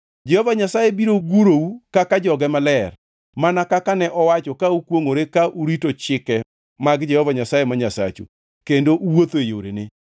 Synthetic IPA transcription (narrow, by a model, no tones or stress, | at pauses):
d͡ʒɛhɔvaɲasajebiɾoɡuɾoukakad͡ʒɔɡɛmalɛr | manakakanɛʔɔwat͡ʃɔkaukwoŋoɾekaʔuɾitot͡ʃɪkɛ | maɡd͡ʒɛhɔvaɲasajemaɲasa̰t͡ʃṵ | kendoʔuwot̪oejo̰ɾḛnɪ